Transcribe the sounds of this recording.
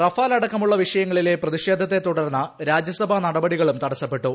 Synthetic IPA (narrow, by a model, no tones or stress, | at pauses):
rɐfaːlɐɽɐkːɐmuɭːɐʋiʂɐjɐŋːɐɭile̞prɐðiʂe̞ːd̪ʱɐt̪ːe̞t̪ːuɽɐrnːɐɾaːd͡ʑjɐsɐbʱɐnɐɽɐbɐɽiɣɐɭumt̪ɐɽɐsːɐpːe̞ʈːu